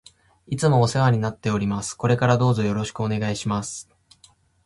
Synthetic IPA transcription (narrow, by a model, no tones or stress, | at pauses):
it͡sɨmo̞ːseβaɲ̟inat̪ːe̞o̞ɾʲimasɨ̥ko̞ɾe̞kaɾad̪o̞ːzo̞jo̞ɾo̞ɕi̥kɯ̟one̞ɡaiɕimasɨ̥